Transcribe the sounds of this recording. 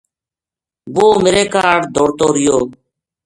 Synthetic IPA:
boːmeːɾeːkaːɽd̪ʱoːɽt̪oːɾɪjoː

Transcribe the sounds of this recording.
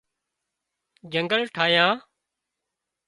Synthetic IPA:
d͡ʒəŋɡəlʈʰaːjãː

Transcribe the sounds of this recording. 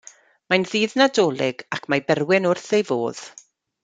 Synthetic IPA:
majnðiːðnadoːlˠɪɡakʰmajbɛrwɪnʊrθejvo̰ːð̥

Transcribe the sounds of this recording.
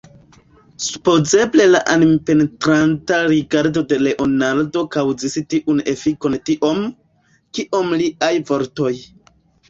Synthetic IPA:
su̥po̞ze̞ble̞laʔanmpe̞ntɾantaɾiɡaɾdo̞de̞le̞ʔo̞naldo̞kawzistiʔune̞fiko̞ntiʔo̞m | kiʔo̞mliʔajvo̞ɾto̞j

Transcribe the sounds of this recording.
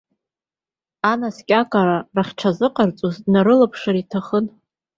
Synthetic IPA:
anaskʲʼakʼaɾaraχʲʈ͡ʂʰazɨqʼart͡sʼuzdnaɾɨlapʰʂaɾitʰaχən

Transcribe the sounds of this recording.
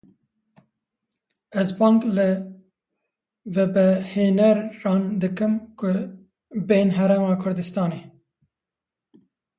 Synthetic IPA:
ɛzbɑːŋklɨ | vɛbɛheːnɛɾːɑːnd̪ɨkɨmkʊ | beːnɦɛɾemɑːkʰʊɾd̪ɨst̪ɑːneː

